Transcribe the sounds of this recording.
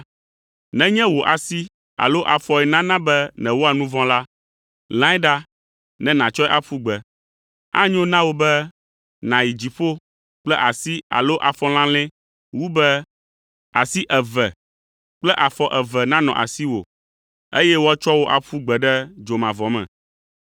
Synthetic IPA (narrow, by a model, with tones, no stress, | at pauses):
nɛ̃˦ɲɛ̃˦wo˨ʔa˨si˦ | a̰˨lo˦ʔa˨fɔ˨ɛ˨nã˦nã˦bɛ˦nɛ̃˨wo˦a˨nũ˦vɔ̃˦la˦ | l̃ã˦ɛ˦ɖa˦ | nɛ̃˦nã˨t͡ʃɔ˦ɛ˦ʔa˨ɸu˦ɡ͡bɛ˨ | a̰˦ɲ˦õ˦nã˦wo˦bɛ˦ | nã˨ji˨d͡ʑi˨ɸo˦ | k͡plɛ˦ʔa˨si˦a̰˨lo˦ʔa˨fɔ˦l̃ã˦lɛ̃˦ | wu˦bɛ˦ | a˨si˦ʔɛ˨vɛ˨ | k͡plɛ˦ʔa˨fɔ˦ʔɛ˨vɛ˨nã˦nɔ̰̃˨ʔa̰˨si˦wo̰˨ | e˦jɛ˦wo˦a˦t͡ʃɔ˦wo˦ʔa˨ɸu˦ɡ͡bɛ˨ɖɛ˦d͡ʒo˨mã˨vɔ˨mɛ̰̃˨